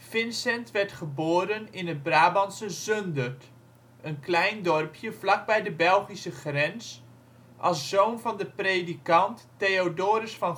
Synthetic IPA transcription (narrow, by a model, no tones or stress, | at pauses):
fɪnsɛntʋɛɹtχəboːɾənɪnət̚braːbɑnsəzøndərt | ʔənklɛjndɔrpʰjəvlɑk̚bɛjdəbɛlˠχisəχrɛns | ʔɑlˠsːownvɑndəprejdikɑntːejodoːɾəsfɑn